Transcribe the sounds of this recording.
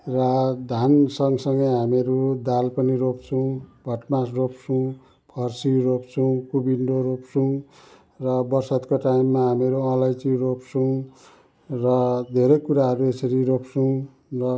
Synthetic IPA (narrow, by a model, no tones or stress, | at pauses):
rad̪ʱansʌŋɡsʌŋɡʌjɦameɾud̪alpʌniɾopt͡sʰʌ̃w̃bʱʌʈmasropsʰũ | pʰʌrsiropt͡sʰʌw̃kubiɳɖoɾopt͡suw̃ | rʌbʌrsʌt̪koʈaimːaɦameɾuʌ̃lajt͡siropt͡sʰuw̃ | rʌd̪ʱeɾʌjkuɾaɦʌɾuesʌɾiɾopʰsʰʌw̃ | rʌ